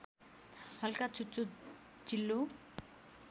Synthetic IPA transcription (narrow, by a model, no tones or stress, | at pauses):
hʌlkat͡sut͡so | t͡silːo